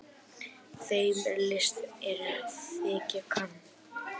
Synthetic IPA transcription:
θejllɪst̪ɛɾθɪːcakʰan

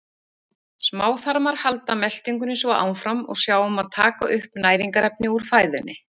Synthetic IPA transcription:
smaːwθaɾmaɾ̥halt̪amɛl̥t̪iŋkʏnːɪsvɔʔa̰wnfɾamɔ̰ɣsjaːwɔmaðt̪ʰaːkaʔʏhpnaːjɾiŋkaɾɛpnɪuɾ̥faːjðʏnːɪ

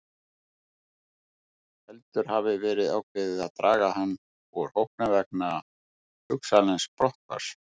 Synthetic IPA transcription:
hɛlt̪ʏɾ̥havɪvɛːɾɪðawkʰvɪðɪðaðt̪ɾaːɣahanː | ɔɾ̥howhknavɛk̚na | hʏksalɛnspɾɔha̰ɾ̥

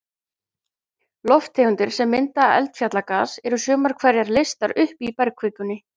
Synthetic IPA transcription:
lɔft̪ʰeːʏnt̪ɪɾ̥sɛmːɪnt̪aːɛ̰lt̪fjat̪lakaːsɛɾʏsœːmaɾ̥kʰvɛɾjaɾlest̪aɾʏhpipɛɾkʰvɪkʏnːɪ

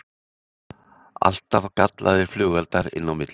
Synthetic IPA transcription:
a̰l̥t̪avkat̪lʔaðɪɾ̥flʏɣɛlt̪aɾɪ̰nːawmɪt̪l

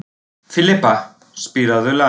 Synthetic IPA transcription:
fɪlɪpːa | spiɾaðʏla

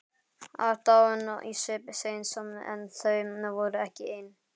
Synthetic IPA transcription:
a̰ɾt̪awʏnaʔḭsʏpsejnsɔmnʔɛ̰nθœɥmnavɔɾʏɛhcɪɪn

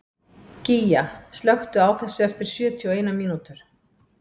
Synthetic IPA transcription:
cijast̪lœxt̪ʏaːwθɛsːɪɛft̪ɪɾ̥sjœːt̪ʰiɔeːjnamiːnut̪ʏɾ̥

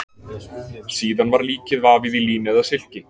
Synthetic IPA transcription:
siːðanvaɾliːcɪðvaːvɪðiliːnɛðaðsɪl̥cɪ

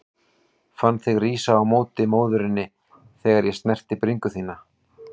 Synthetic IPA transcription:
fanːθɪɣriːsaːwmoːwt̪ɪmoːwðʏɾɪnːɪ | θɛːɣaɾjɛst̪nɛr̥t̪ɪpɾiŋkʏθiːna

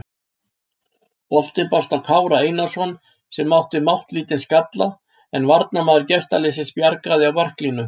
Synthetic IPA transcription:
pɔl̥t̪ɪnpast̪awkʰaːwɾaejnasɔn | sɛmːawht̪ɪmawht̪liːt̪ɪnskat̪la | ɛnvaɾt̪namaːðʏɾcɛst̪alɪːs̬ɪspjaɾkɾaðɪawvar̥kliːnʏ

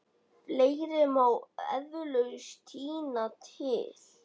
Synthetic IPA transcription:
pleːjɾɪmawɛ̰ðvʏlœɣst̪ʰiːnat̪hɪːθ

